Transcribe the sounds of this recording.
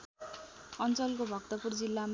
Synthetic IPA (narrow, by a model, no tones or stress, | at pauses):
ʌnt͡sʌlkobʱʌkt̪ʌpurd͡zilːam